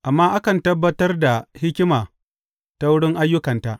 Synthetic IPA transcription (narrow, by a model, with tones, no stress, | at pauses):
ʔa˨mːaː˦ʔa˦kɐ˨ntɐ˦bːɐ˦tɐ˦rda˨hɪ˦kʲɪ˦maː˨ | ta˦wʊ˦ɽɪ˦ŋʔa˦jːʊ˦kɐ˨nta˦ʔ